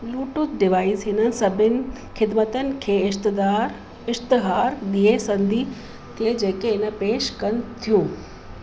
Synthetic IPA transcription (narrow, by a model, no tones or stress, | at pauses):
luːʈʊt̪ɖɪʋaːizɦɪnənɪ̆sɐbʱɪnɪ̆ | xɪd̪mət̪ənɪ̆kʰeːɪʃt̪ɪd̪aːɾ | ɪʃt̪ɪɦaːɾɗiesɐ̃nd̪ʱi | t̪ʰed͡ʑeːkeɪnə̆peːʃkɐnɪ̆t̪ʰijũː